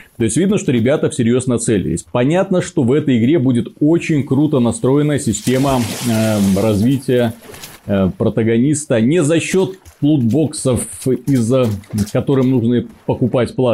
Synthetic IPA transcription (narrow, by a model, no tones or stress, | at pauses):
t̪o̞ɪsʲtʲvʲid̪nəʂt̪o̞ɾʲɪbʲat̪əfsʲɪɾʲjo̞znəɐt̪sɛlʲɪ̰ɪ̰sʲpɐnʲat̪nəʂt̪o̞vɛt̪əjɪɡɾʲe̞budʲɪt̪o̞t͡ɕɪnʲkɾut̪ənɐst̪ɾo̞ɪnəjəsʲɪsʲtʲe̞mə | ɾɐzvʲitʲɪjə | pɾət̪əɡɐnʲist̪ənʲɪzɐɕːo̞t̪plˠud̪bo̞ksəfizəkɐt̪o̞ɾɨmnuʐnɨpəkʊpatʲplˠa